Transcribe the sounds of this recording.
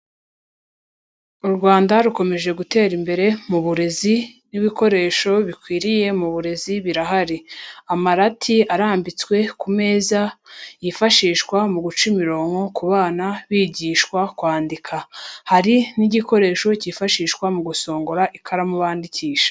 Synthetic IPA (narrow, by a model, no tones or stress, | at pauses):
uɾɡwaːndaɾuko̞me̞ʒe̞ɡute̞ːɾimbe̞ɾe̞muβuɾe̞ziniβiko̞ɾe̞ːʃo̞βikwiːɾije̞muβuɾe̞ziβiɾaɦaɾiamaɾatʰiaɾaːmbit͡swe̞kume̞ːzajifaʃiːʃkwamuɡut͡ʃimiɾo̞ːŋɡo̞kuβaːnaβiːɟiːʃkwakwaːndikʰahaɾiniɟiko̞ɾe̞ːʃo̞cifaʃiːʃkwamuɡuso̞ːŋɡoɾaʔikʰaɾamuβaːndiciːʃḁ